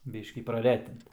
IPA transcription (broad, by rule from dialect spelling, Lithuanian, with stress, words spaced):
ˈbʲiːʃʲkʲiː prɐˈrʲæːtʲɪnt